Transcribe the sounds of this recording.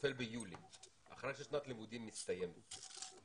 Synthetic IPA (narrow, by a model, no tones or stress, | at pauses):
felbejuːlḭ | ʔa̰χɾejʃeʃnat̪limud̪imːist̪ajem